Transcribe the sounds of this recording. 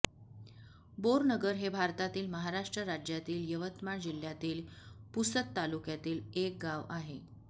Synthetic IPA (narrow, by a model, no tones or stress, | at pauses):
boɾnəɡəɾɦebʱaɾt̪at̪iːlməɦaɾaʂʈɾəɾad͡ʑjat̪iːljəʋət̪maɳd͡ʑil̤jat̪iːlpusət̪ːalukjat̪iːlek̚ɡaʋaɦe